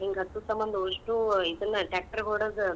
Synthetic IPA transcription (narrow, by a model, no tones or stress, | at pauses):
iŋɡɦɐt̪ːusɐmbɐnd̪ɐoʂʈuid̪ɐnːɐʈaːk̚ʈɐɾkoːɽɐːd̪